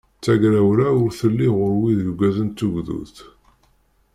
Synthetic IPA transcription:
t͡sːæɡɾæwlæʊɾθəlːiʁʊɾwiðjɡʷæðənt̪ːuʝðṵθ

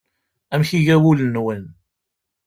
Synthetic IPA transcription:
æmçiʝæwulənwən

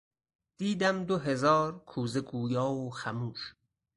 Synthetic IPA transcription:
d̪̥iːd̪æmd̪oɦezɒːɾkʰuːzeɡuːjɒːoxæmuːʃ

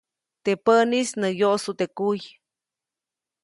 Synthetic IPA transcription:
t̪epənisnəjosut̪ekuj

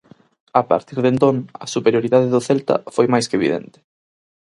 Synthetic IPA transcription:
apa̰ɾt̪iɾðẽnt̪õŋɐ̰supeɾjoɾiðaðɪðʊθɛlt̪ɐ̰fojmajskeβḭðɛ̰̃nt̪ɪ̥

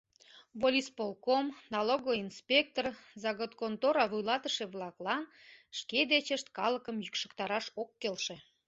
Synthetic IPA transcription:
volʲispolkomnɑloɣoinspʲek̚t̪orzɑɣot̪kont̪oɾɑβujlɑt̪əʃĕβlɑklɑn | ʃked̪et͡ɕəʃt̪kɑləkəmjykʃə̥̆kt̪ɑɾɑʃokːelʃĕ

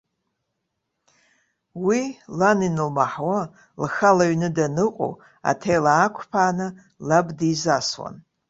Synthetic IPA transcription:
wilɐninɨlmaħwɐ | lɨxɐlɐɥnɨdɐnɨqʷʼṵ | a̰tʰejlaːkʷʰpʰaːnɐ | lɐbdizaːswɐ̰n

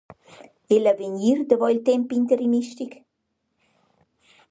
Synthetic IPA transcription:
elavəɲiɾd̪əvɔilt̪empint̪eɾiniʃt̪ik

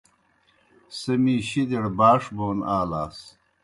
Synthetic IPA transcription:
sɐmiːɕid̪eɽbaːʂboːnaːlaːs

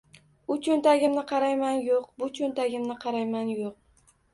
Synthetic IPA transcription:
ʊt͡ʃʰʊnt̪aɡʲɪmnɪqʰɑɾajmanjoqbʊt͡ʃʰɵnt̪ʰaɡʲɪmnɪqʰɑɾajmanjoq̚

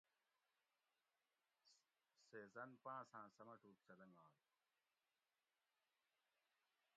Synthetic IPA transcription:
seːzɐnpãːsãːsɐmɐʈʰuːk̚sɐlɐŋɡãːl

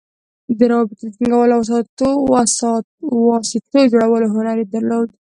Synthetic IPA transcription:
d̪əɾɑbɪt̪ed̪ət̪iŋɡawəlawas̬ɑt̪os | wɑsɪt̪od͡ʒoɽawəloɦʊnaɾed̪aɾlod̪

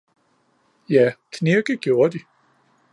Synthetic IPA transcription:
jækʰneɡ̥əɡ̥jo̝ːɐd̥i

